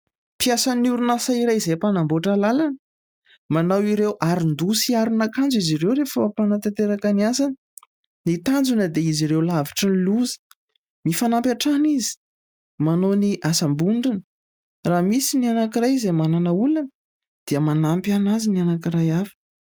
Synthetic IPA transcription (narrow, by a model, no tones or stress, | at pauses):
piasanuɾunasaiɾajizepanamboʈ͡ʂəlalanə | manawiɾewʔaɾind̪usiaɾunakand͡ziziɾewɾefəpanət̪at̪eɾakaniasan | nit̪and͡zunəd̪eiziɾewlaviʈ͡ʂəniluzə̥ | mifanampʲaʈ͡ʂanizi̥ | manoniʔasambuɳɖ͡ʐinə | ramisinianakirajizemananaulanə | d̪̥iəmanampjanazinianakiɾajafə̥